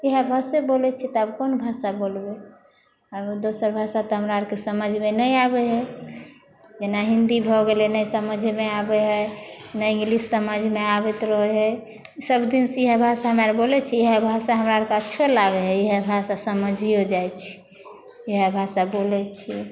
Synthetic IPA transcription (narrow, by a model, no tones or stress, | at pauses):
iɦebʱasebolɛt͡ʃʰit̪ɔəbkonbʱasabolbe | əbd̪osəɾbʱasat̪ɔɦəmɾaəɾkesəməd͡ʒʱmenəjabeɦɛ | d͡ʒenaɦĩnd̪ibʱɔɡelɛnəjsəməd͡ʒʱmeabɛɦɛnəjŋɡlisːəməd͡ʒʱmeabet̪ɾɔɦeɦɛ | səbd̪insiɦebʱasaɦəmaɾbolɛt͡ʃʰieɦebʱasaɦəmɾaɾkeətːʃʰelaɡeɦɛiɦebʱasasəməd͡ʒʱiɦod͡ʒajt͡ʃʰi̥ | eɦebʱasabolɛt͡ʃʰi